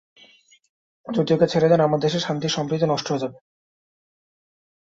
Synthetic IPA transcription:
d͡ʑod̪ioket͡ɕʰeɾed͡ʑanamaɾd̪eʃeɾʃant̪iʃɔmpɾid̪onɔʃʈoɦod͡ʑabe

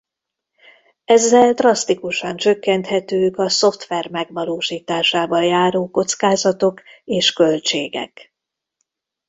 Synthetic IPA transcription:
ɛzːɛld̪rɒst̪ikuʃɒnt͡ʃøkːɛnt̪hɛt̪øːkɒso̞ft̪ʋɛrmɛɡʋɒloːʃiːt̪aːʃaːbɒjaːɾoːko̞t̪skaːzɒt̪o̞keːʃkø̞lt͡ʃeːɡɛ̰k

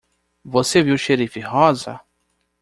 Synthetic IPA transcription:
voseviwʃeɾifɪhɔzɐ̰

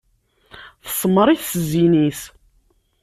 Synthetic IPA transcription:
θə̥sˤmːəɾˤiθszinis

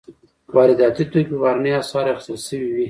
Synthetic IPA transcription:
wɑɾɪd̪ɑt̪it̪ojpebɑɾanəjasɑɾaxɪ̥st̪əlʃəwiwi

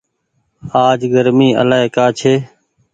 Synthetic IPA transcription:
aːd͡ʒɡəɾmiːə̰laːekaːt͡ʃʰeː

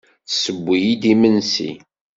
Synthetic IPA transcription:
θsəbʷːijid̪imənsḭ

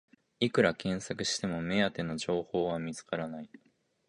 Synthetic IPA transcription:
ikɯ̟ɾakẽ̞ɰ̃sakɯ̟ɕi̥t̪e̞mo̞me̞at̪e̞no̞ʑo̞ːho̞ːβamʲit͡sɨ̥kaɾanai

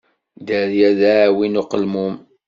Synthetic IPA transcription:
d̪əɾjæðawinuqəlmum

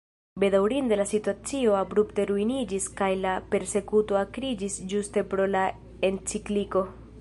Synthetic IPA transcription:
be̞dawɾindelasituat͡sio̞abɾupte̞ɾuinid͡ʒiskajlape̞ɾse̞kuto̞akɾid͡ʒisd͡ʒuste̞pɾo̞la | e̞nt͡sikliko̞

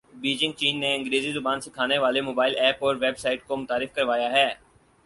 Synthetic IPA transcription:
biːd͡ʒɪ̃ŋɡ̚t͡ʃiːnːeɪ̃ŋɡɾeːzizʊbaːnsɪkʰaːneʋaːlemoːbaːɪlɛːpɔːɾʋeːbsaːɪʈ̚komʊt̪aːɾɪfkɐɾʋaːjaɦɛː

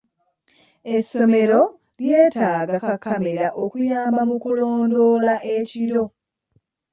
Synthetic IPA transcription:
e̞sːo̞me̞ɾo̞ | lje̞ːtaːɡakakːame̞ɾaʔokujaːmbamukulo̞ːndo̞ːlaʔe̞ciɾo̞

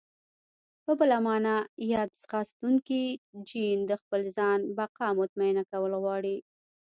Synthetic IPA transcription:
pəbəlamɑnajɑd̪sxɑst̪uŋkid͡ʒind̪əxpəlzɑnbaqɑmʊt̪maɪnakawəlɣwɑɽi

